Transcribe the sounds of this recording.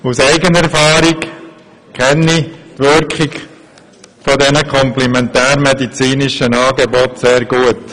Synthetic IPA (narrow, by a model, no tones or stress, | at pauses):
usæɪɡənɛɾfɑːɾɪk | kʰɛnːiʋʏɾkχɪɡ | fɔdɛnəkʰɔmplɛmɛntæːɾmɛdit͡siːnɪʃənɑːɡebɔtseːɾɡuət